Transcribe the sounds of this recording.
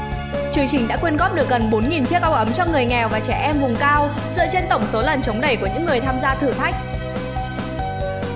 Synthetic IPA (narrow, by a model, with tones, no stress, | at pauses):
t͡ɕɨ˨˦əŋt͡ɕï˨˩ŋ̟ɗa̰ː˧˥kwi˧ənɣɔ˦˥p̚ɗɨ˨˩ək̚ɣə˨˩nɓo˨˦nŋi˨˩nt͡ɕi˦˥ək̚ʔa˧wʔə˨˦mt͡ɕɔ˧ŋɨ˨˩əjŋɛ˨˩wvaː˨˩t͡ɕɛ˧˩ʔɛ˧mvʊ˨˩ŋ͡mkaː˧w | zɨ̰˧˨t͡ɕe˧nt̪ə˧˩wŋ͡mso˨˦lə˨˩nt͡ɕə˨˦wŋ͡mɗə˧˩jku˧˩əɲɨ̰˧˥ŋːɨ˨˩əjt̪ʰaː˧mzaː˧t̪ʰɨ˧˩t̪ʰa˦˥jk̟̚